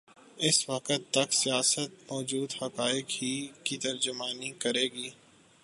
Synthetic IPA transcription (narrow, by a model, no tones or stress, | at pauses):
ɪsʋɐqət̪ːɐksijaːsət̪̚mɔːd͡ʒuːd̪hɐkaːɪkhikit̪ɐɾd͡ʒʊmaːnikɐɾeːɡiː